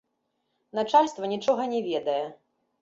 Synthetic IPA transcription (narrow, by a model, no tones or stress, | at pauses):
nat͡ʂalʲst̪vɐnʲit͡ʂɔɣɐnʲɛvʲɛd̪ɐjɛ